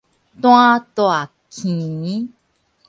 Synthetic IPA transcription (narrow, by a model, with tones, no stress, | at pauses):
t̪õ˦ã˦t̪o˧˨a˨ | kʰĩ˨i˦